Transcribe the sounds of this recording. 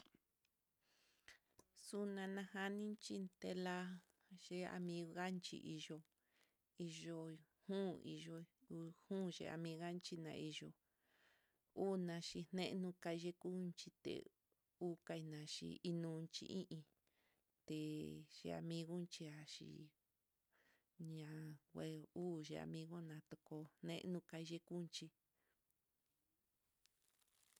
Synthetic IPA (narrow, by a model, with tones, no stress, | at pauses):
su˦nã˧nã˧ha˦nĩ˦nt͡ʃi˦nt̪e˧la˦ | ʒe˦a̰˧mĩ˧ɣɣa˦nt͡ʃḭ˧˨ʔi˧ʒo˧ | i˧ʒo˧hũː˦ḭ˨˧ʒo˧u˧hũ˦ʒḛ˧a̰˧mĩ˧ɣa˦nt͡ʃi˦nã̰˧˨i˧ʒo˧ | u˦nã˧ʃi˧n̥ẽ˦nũ˦ka˧ʒe˦ku˦nt͡ʃi˧t̪ḛ˨ | u˦ka˧i˧nã˨ʃḭ˧i˦nũ˦˧t͡ʃḭ˧ʔĩ˦ʔĩ˧ | t̪e˨ʃḛ˧a̰˧mĩ˧ɣo˦nt͡ʃi˧a˨ʃḭ˧ | ɲã˨˧we˧uː˦ʒḛ˧a̰˧mĩ˧ɣo˦nã˨˧t̪o˧ko˧hnḛ̃˦ʔnũ˦ka˧i˧ʒe˦ku˦˧nt͡ʃi˧